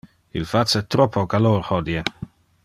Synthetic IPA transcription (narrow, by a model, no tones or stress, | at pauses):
ḭlfat͡sət̪ɾɔpʰokaloːɾhɔd̪je